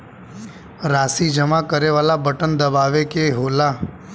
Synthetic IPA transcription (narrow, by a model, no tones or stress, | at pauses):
ɾasid͡ʒəmakəɾeʋalabʱəʈənd̪əbaʋekeɦola